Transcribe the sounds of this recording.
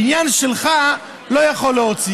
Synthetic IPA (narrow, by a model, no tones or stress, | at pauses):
injanʃɛlχa | lojaχoləot͡si